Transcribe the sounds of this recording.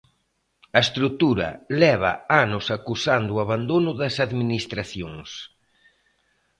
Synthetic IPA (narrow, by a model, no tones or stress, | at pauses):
ɐest̪ɾut̪uɾɐ̰lɛβ̞ɐ̰anʊsakusand̪ʊaβand̪onʊðɐsaðminist̪ɾaθjoŋs